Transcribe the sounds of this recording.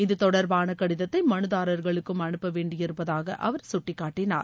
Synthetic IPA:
ɪðɯt̪ɔɽɐɾʋaːnɐkːɐɽɪðɐt̪ːɐɪmɐnɯðaːɾɐɾɣɐɭɯkːɯmɐɳɯpːɐʋeːɳɖɪjɪɾɯpːɐðaːɣɐ̰ʔɐʋɐɾsʊʈːɪkːaːʈːɪna̰ːɾ

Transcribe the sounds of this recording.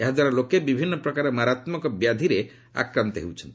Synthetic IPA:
eɦad̪waɾalokːebibʱinːpɾɔkaɾemaɾat̪məkɔbjad̪ʱiɾe | a̰kɾəmt̪ɦḛwt͡ʃʰənt̪

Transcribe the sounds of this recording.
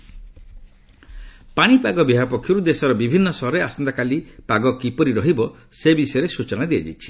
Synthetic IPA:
paɽ̃ipaɡɔbiɦapɔkʰːjuɾud̪esɔɾɔbibʱinːɔsɔɦɔɾeasɔnd̪akalipaɡɔkipɔɾiɾɔɦibɔ | sebisɔjɔɾesut͡ʃɔnad̪iad͡ʒḭt͡ʃʰi̥

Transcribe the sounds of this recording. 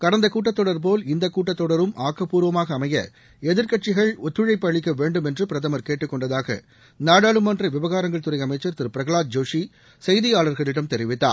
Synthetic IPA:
kɐɽɐnd̪ɐkuːʈ̬ːɐt̪ːɔɽɐɾp̬oːlɪnd̪ɐkːuːʈːɐt̪ːɔɽɐɾɯmʔaːkːɐpuːɾʋɐmaːɣɐːmɐjɐ̰ | ɛðɪɾkɐʈ̚t͡ʃɪɣɐɭɔt̪ːɾɯɻɐɪpːɐɭɪkːɐʋeːɳɖɯmɛndrɯpɪɾɐðɐmɐɾkeːʈːɯkːɔɳɖɐðaːɣɐ̰ | naːɽaːɭɯmɐndrɐʋɪʋɐɣaːɾɐŋɡɐɭt̪ʊɾɐɪjɐmɐɪt͡ʃːɐɾt̪ɪɾpɪɾɐɣɐɭaːd̪̚d͡ʒoːʂi | sɛjðɪjaːɭɐɾɣɐɭɪɽɐmt̪ɛɾɪʋɪt̪ːa̰ːɾ

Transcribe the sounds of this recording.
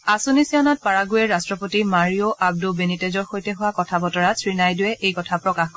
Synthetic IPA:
asunisiɔnat̚paɹaɡujɛɹastɹɔpotimaɹioʔab̚dubenitezɔɹxojtɛɦʊwakɔtʰabɔtɔɹasɹinajdʊjɛʔejkɔtʰapɹɔkaxk

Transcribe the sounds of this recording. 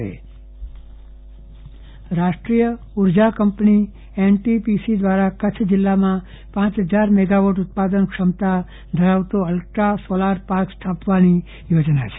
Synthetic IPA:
ḛ | ɾaʃʈɾijə | uɾd͡ʒakəmpni | enʈipisid̪ʋaɾakət͡ʃʰd͡ʒɪlːamã | pãt͡ʃɦəd͡ʒaɾmɛɡaʋoʈʊt̪̚pad̪ənkʃəmt̪a | d̪ʱəɾaʋt̪oəlʈɾasolaɾpaɾkst̪ʰapʋani | jod͡ʒnat͡ʃʰe̥

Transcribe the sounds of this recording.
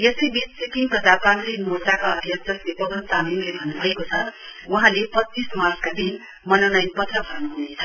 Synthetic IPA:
jʌsʌbid͡zt͡sikiŋpʌd͡zapanimotakoʌd̪ʱjʌt̪ʌslepʌɡʌnt̪amimlebʱʌnːubʱʌekot͡sʰʌuɦãlepʌt͡sːismarskad̪in | mʌnonʌjnpʌt̪rʌbʱʌrnuɦunet͡sʰʌ̥

